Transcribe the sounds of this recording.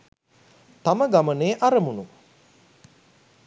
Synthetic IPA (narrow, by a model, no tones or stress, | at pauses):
t̪aməɡaməneːʔaɾəmunu